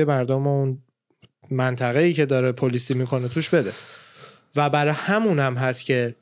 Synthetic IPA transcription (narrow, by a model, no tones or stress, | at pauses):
emæɾd̪omoun | mænt̪ʰæɣeiːcʰe̞d̪ɒːɾepʰolisimikʰo̞net̪ʰuʃbe̞d̪e | væbæɾɒhæmunæmɦæst̪cʰe̞